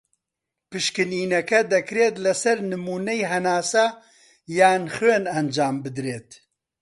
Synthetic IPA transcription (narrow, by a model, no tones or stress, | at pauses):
pɨʃkɨniːnɛkɛd̪ɛkɾeːt̪lɛsɛɾnɨmuːnɛjɦɛnaːsa | jaːnxuenɐnd͡ʒaːmbɨd̪ɾeːt̪